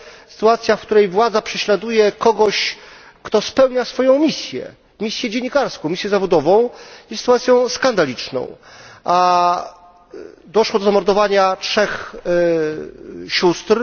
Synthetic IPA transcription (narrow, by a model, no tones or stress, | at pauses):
sɨ̥t̪uat̪sʲjafkt̪uɾɛjvwad̪zapʂɛɕlad̪ujɛkɔɡɔɕ | kt̪ɔspɛwɲasfɔjɔ̃w̃mʲisʲjɛ̰ | mʲisʲjɛd͡ʑeɲːikaɾskɔ̃w̃mʲisʲjɛzavɔd̪ɔvɔ̃w̃isɨ̥t̪uwat̪sʲjɔ̃w̃skand̪alʲit͡ʂnɔ̰̃w̃ʔa | d̪ɔʂwɔd̪ɔzamɔɾd̪ɔvaɲatʂɛx | ɕust̪ɾ